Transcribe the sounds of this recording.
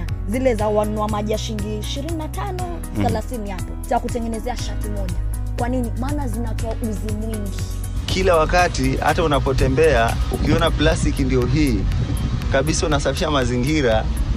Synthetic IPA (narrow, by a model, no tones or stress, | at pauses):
zilɛzawanuamaʄiaʃiŋɡiʃiɾininatanɔ | θɛlaθiniapɔzakutɛŋɡɛnɛzɛaʃatimɔʄa | kwaninimaːnazinatɔaʔuzimwiŋɡi | kʰilawakatiha̰taunapɔtɛmbɛaukiɔnaplastikindijɔɦiː | kaɓisaunasafi̥ʃamaziŋɡiɾa